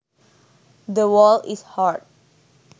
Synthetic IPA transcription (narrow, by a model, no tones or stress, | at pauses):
d̪əwɔlishaɹd̚